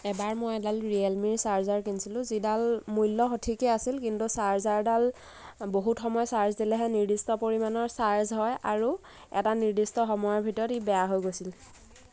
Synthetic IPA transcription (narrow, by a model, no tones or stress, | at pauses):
ɛbaɹmojɛdalɹialmiɹsaɹzaɹkinsilʊ̃zidalmujlːɔxotʰikɛasilkintusaɹzaɹdal | boɦutxɔmɔjɔsaɹzdilɛɦɛniɹdistɔpoɹimanɔɹsaɹzɦɔjʔa̰ɹu | ɛ̰taniɹdistɔxɔmɔjɔɹbʱitɔɹɔtibɛjaɦojɡosil